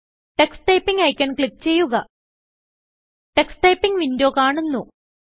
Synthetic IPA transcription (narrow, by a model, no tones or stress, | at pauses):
ʈe̞ksʈɐjpːiŋɡɐjkʲːɐɳkɭikːt͡ɕe̞jːuɣɐ | ʈeksʈɐjpːiŋʋindo̞ːkaːɳunːu